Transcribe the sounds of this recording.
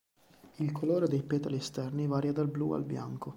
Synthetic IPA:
ilkʰoloːɾed̪ejpɛːt̪aliest̪ɛrnivaːɾjad̪alblua̰lbja̰ŋko

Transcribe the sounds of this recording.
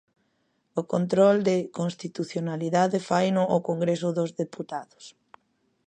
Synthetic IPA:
ʊkont̪ɾɔld̪ekõnst̪it̪uθjonaliðaðefajnʊʔːkoŋɡɾesʊðozðeput̪aðʊs

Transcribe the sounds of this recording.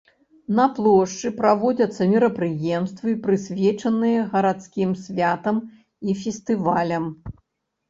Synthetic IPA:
nɐplˠɔʂt͡ʂɨpɾavɔd͡zʲɐt̪sːɐmʲɛɾɐpɾɨjɛmst̪vɨpɾɨsʲvʲɛt͡ʂɐnɨjɐɣɐɾat̪skʲimsʲvʲat̪ɐm | ifʲɛsʲt̪ɨvalʲɐm

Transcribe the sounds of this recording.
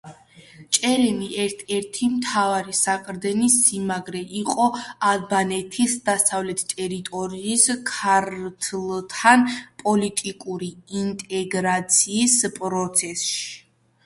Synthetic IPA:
t͡ʃʼɛɾɛmiʔɛɾt̪ʰɛɾt̪ʰimt̪ʰavaɾisaqʼɾd̪ɛnisimaɡɾɛʔiqʼɔadbanɛt̪ʰisd̪asavlɛt̪ʰt̪ʼɛɾit̪ʼɔɾiːskʰaɾt̪ʰlˠt̪ʰanpʼɔlit̪ʼikʼuɾiint̪ʼɛɡɾat̪sʰiːspʼɾɔt̪sʰɛsʃi̥

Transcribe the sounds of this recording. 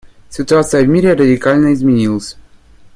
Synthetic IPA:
sʲɪt̪ʊat̪sɨjəvʲmʲiɾʲɪɾədʲɪkalʲnəɪzmʲɪnʲilˠəsʲ

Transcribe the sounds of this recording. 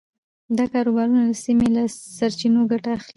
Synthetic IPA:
d̪ɑkɑɾobɑɾunad̪əsimelasaɾt͡ʃinoɡaʈaːxli

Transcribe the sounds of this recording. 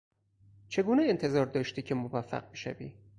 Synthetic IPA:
t͡ʃʰe̞ɡuːneent̪ʰe̞zɒːɾd̪ɒːʃt̪iːcʰemovæfːæ̰ɢ̚beʃæ̰vḭː

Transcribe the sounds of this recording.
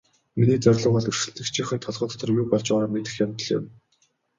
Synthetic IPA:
miniːt͡sœrʲɮɞ̆ɴɢɔɮɵ̆r̥ʃɘ̆ɬt̪ɘ̆kt͡ɕʰiːχɘ̆nt̪ʰɔɮʁɞ̆t̪ɔ̥t̪ɞ̆rjuːpɔɮt͡ɕaːɾaːmet̪ɘ̆xjamt̪ɞ̆ɮɪ̰̆m

